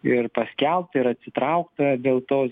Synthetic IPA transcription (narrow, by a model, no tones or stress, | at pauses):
ɪɾpɐsʲkʲɛlˠp̚t̪ɪɾɐt̪ʲsʲɪt̪ɾɐʊkt̪ɐd̪ʲeːlˠt̪oːs